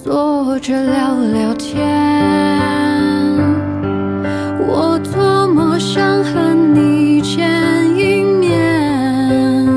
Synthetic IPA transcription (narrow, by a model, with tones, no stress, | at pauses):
t͡swɔ˥˧ʈ͡ʂə˧ljɑ˧˩ʊljɑ˨˩ʊt̪ʰjɛ˧˦ | n | wɔ˨˩t͡sə˥˧mə˧ɕjɑ˥ŋxə˧nli˨˩t͡ɕʰjɛ˥ny˥ŋmjɛ˥˩ | n